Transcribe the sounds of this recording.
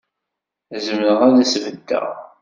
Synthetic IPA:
zəmnəʁænæsvəd̪ːæ̰

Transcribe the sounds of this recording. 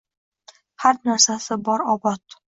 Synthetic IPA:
haɾnaɾsasɪbɒɾɒbɒt̪̚

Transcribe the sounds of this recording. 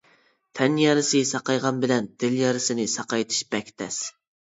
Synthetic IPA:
t̪ʰɛnjɑɾɪsɨsɑqɑjʁɑnbɪlɛnd̪̥ɪljɑɾɪsɪnɪsɑqɑjt̪ʰɨ̥ʃbɛkʲt̪ʰɛ̰s

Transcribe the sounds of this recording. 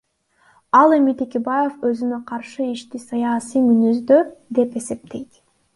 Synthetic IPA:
ɑlˠe̞mit̪ʰekʲebajeføzynøqʰɑɾʃɯiʃt̪isɑjasijmynyzd̪ød̪e̞pe̞se̞p̚t̪e̞jt̪

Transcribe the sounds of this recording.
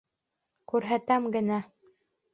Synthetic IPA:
kʉɾɦæt̪æmɡɘ̆næ

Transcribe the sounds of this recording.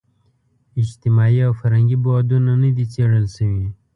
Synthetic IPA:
ɪd͡ʒt̪ɪmaːiawfɐɾɦə̃ŋɡibod̪unanəd̪it͡seːɽəlsəwi

